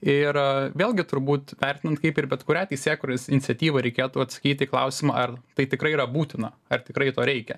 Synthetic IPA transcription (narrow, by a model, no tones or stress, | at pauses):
ɪɾʋʲeːlʲˠɡʲɪt̪ʊɾbuːt̪ʋʲɛrʲt̪ʲɪnɐnt̪kɐɪpɪɾbʲɛt̪kʊɾʲæːt̪ʲɛɪsʲeːkʊːɾʲosɪnʲɪt̪sʲɛt̪ʲiːʋɐɾʲɛɪkʲeːt̪uːɐt̪sɐ̥kʲiːt̪ʲiklˠɐʊsʲɪmɐʔɐrt̪ɐɪt̪ʲɪkɾɐɪiɾɐbuːt̪ʲɪnɐɐrt̪ʲɪkɾɐɪt̪oːɾʲɛɪkʲɛ